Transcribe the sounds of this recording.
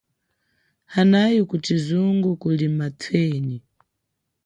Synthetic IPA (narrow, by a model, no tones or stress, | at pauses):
hanajikutizuŋɡukulimatʰwɛːni